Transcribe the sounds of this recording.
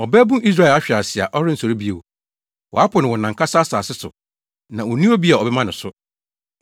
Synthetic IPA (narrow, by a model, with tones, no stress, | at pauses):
ɔ˨bɛ˦bũ˦ʔi˦s̬ɾa˦ɛ˨la˦ɕᶣɪ˨a˨sɪ˨a̰˨ʔɔ˦ɾɪ̃˦n̩˨sɔ˨ɾi˦bi˦e˨wo˨ | wʔɔ̰˨a˦pʰʊ˨nɪ̃˨wɔ˨nã˨ŋkʰa˦saː˦saː˨sɪ˦sʊ̰˨ | nã˨wɔ˨nĩ˦o˦bi˦a˨ɔ˨bɛ˦mã˦nɪ̃˨sʊ˦